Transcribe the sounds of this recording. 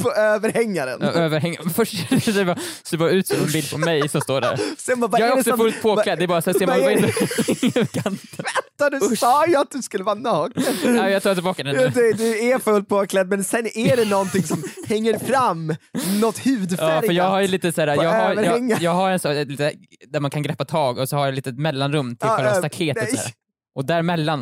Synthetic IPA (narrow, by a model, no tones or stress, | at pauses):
pʰɔøːvəɾhɛŋːaɾə̰nøːvəɾɦɛŋːaɾmɛfœʂʈsɛbɑsɛbɑːɾʉ̟ːt̪sɔmɛnbɪld̪̚pʰɔmmɛjsɔmst̪oːɖæ̰ɾsɛnbabjɑːɡæɾɔsɔfɵlt̪pʰoːlɛd̪ɛɾbɑːɾasɛnsseːɾmanɪɪŋkʰant̪vɛt̪ːad̪ɵsɑːjəat̪̚d̪ɵskɵlːəvɑːnɑːkəɛːjɑt̪ɑːt̪ɪlbɑːkad̪ɛnjd̪ɛd̪ɵæfɵlt̪̚pʰoːklɛd̪mɛnsɛnæɖɛnɔnt̪ɪŋsɔmhɛŋːəɾfɾamːnɔt̪ːhʉ̟ːd̪fɑːɾjəɾjɑːɡɦhaɾjəliːt̪əsæːɾajɑːɡaɾəɾɛŋːajɑːɡhaɾɛnsɔɛliːt̪ | d̪æɾmankʰanɡɾɛpːat̪ʰɑːɡɔsɔhaɾjaliːt̪ət̪mɛlːanɾɵmːt̪ʰlːlst̪akʰeːt̪ː | ʔɔd̪æɾmɛlːan